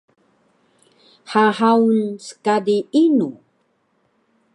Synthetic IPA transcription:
ħaħawnsə̥kadiinu

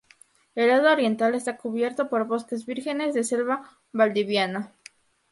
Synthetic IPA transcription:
e̞lað̞oːɾje̞nt̪ale̞st̪akuβje̞ɾt̪o̞po̞ɾβo̞ske̞zβiɾxe̞ne̞zðese̞lβa | βald̪iβjana

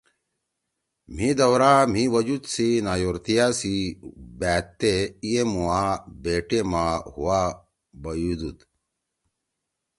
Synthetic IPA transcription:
m̤id̪ɐwɾam̤iwɐd͡ʑud̪sinaːjoɾt̪ijasibæːt̪ːeijemuabeːʈemahuwaː | bɐjud̪ut̪

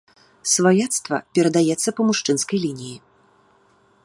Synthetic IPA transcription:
svajat̪st̪vɐ̰pʲɛɾɐd̪ajɛt̪sːɐpɐmuʂt͡ʂɨnskɐjlʲinʲiji

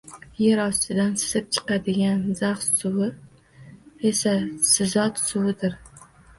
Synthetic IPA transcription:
jeɾɒst̪ɪd̪ansɪ̥zɪp̚t͡ʃʰɨ̥qɑd̪ɪɡʲanzaχssʊwɪ | esasɪzɒt̪sʊwɪd̪ɪɾ

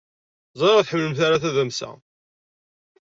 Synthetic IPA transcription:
zˤɾaθħəmːləmθaɾaθæðæmsæ̰

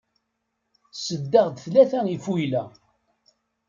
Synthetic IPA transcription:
səd̪ːəʁd̪θlæθæifujlæ

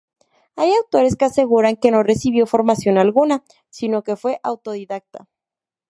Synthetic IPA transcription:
ajawt̪o̞ɾe̞skease̞ɣuɾaŋke̞no̞re̞siβ̞jo̞fo̞ɾmasjo̞nalɣuna | sino̞ke̞fwe̞ʔawt̪o̞ðiðak̚t̪a̰

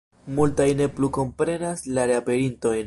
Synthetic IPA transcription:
multajne̞pluko̞mpɾe̞naslaɾeape̞ɾinto̞jn

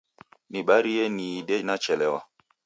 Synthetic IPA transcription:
niɓaɾijeniɗenat͡ʃɛlɛwa̰

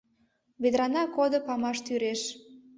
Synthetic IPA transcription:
βed̪ɾɑnɑkod̪opɑmɑʃt̪yɾeʃ

